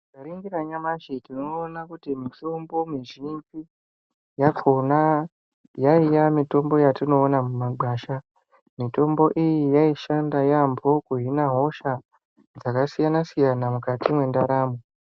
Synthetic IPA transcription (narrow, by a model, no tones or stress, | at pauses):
kaɾiŋɡiɾaɲamaʃitinoːnakutimitombo̞miʒipi | jakʰo̞na | jaijamito̞mbo̞jatino̞ːnamumaɡ͡bʱaːʃa | mito̞mbo̞ʔijijaiʃandajambo̞kuɦinaɦo̞ʃa | d͡zakasijanasijanamukatimwe̞ndaɾaːmo